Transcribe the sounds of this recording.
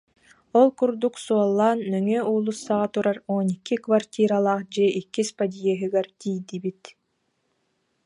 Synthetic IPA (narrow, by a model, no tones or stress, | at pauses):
ɔlˠkuɾd̪uksuɔlˠːaːnːœŋyulˠusːaʁat̪uɾaɾoːnikːikvart̪ʲiːɾalˠaːχd͡ʑɛʔikːispad̪ʲijɛɦɯɡɛɾt̪ijd̪ibit̪